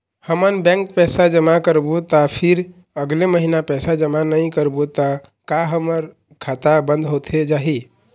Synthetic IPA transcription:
həmənbɛ̃ŋk̚pɛsad͡ʒəmakəɾbut̪apʰiɾ | əɡleməɦinapɛsad͡ʒəmanəj̃kəɾbut̪a | kaɦəməɾ | kʰat̪abənd̪ɦot̪ʰed͡ʒaɦi

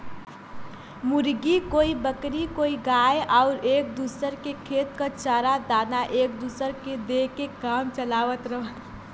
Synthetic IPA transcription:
mʊɾɡikoːibəkɾikoːiɡaːjʔɔʊɾeːk̚d̪uːsəɾkekʰeːt̪kət͡ʃaɾad̪aːnaʔeːkd̪uːsəɾked̪ekekaːmt͡ʃəlaːʋət̪ɾəɦət̪

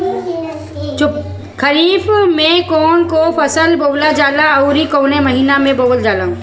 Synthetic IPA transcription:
t͡ʃʊ | kʰəɾiːfmẽkoːnkopʰɐsəlboːlad͡ʒaːlaɐʊɾikoːnemɐɦiːnamẽboːɡəld͡ʒaːlã

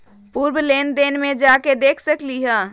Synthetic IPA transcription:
puɾbleːnd̪eːnmed͡ʒaked̪ekʰsəkliɦə

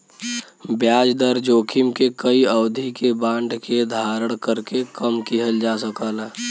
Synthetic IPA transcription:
bjaːd͡ʒd̪əɾd͡ʒoːkʰɪmkekəiəʊd̪ʱikebãːɳɖʱked̪ʱaːɾəɽ̃kəɾkekəmkiɦəld͡ʒaːsəkəlɛ

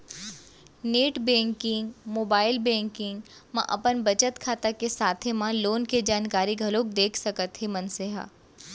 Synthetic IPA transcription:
neːʈbɛ̃ːŋkɪ̃ŋɡmoːbaːɪlbɛ̃ːŋkɪ̃ŋɡ | mã̰ʔɐpənbɐt͡ʃət̪kʰaːt̪akesaːt̪ʰemãloːnked͡ʒaːnkaːɾiɡʱɐloːk̚d̪eːkʰsɐkət̪ɦemɐnseɦa̰ː

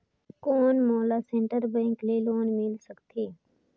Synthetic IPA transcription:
koːnmoːlaːsẽɳʈəɾbə̃ŋkleːloːnmɪlsəkt̪ʰeː

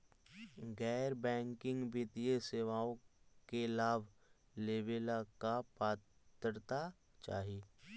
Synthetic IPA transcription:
ɡɛːɾbɛ̃ːŋkɪ̃ŋɡbɪt̪ijeseːʋaːõkelaːb | leːbeːlakapaːt̪əɾt̪a | t͡ʃa̰ːɦieː

